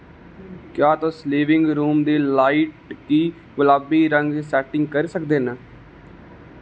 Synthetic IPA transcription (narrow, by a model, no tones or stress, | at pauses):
kjaːt̪õːsliːʋɪ̃ŋɡɾuːmd̪iːlaːiʈkiː | ɡʊlaːbiːɾəŋɡsɛːʈɪ̃ŋɡkəɾsəkd̪eːnə